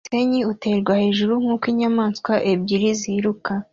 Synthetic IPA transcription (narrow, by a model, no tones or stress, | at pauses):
se̞ɲiute̞ɾɡwahe̞ːʒuɾuŋ̥uːkwiːɲamaːnskwaʔebɟiɾiziɾuka